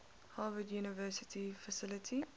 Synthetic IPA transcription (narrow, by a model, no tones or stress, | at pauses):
hɑːvədjuːnəvɜːsɪtʰifəsɪlətʰi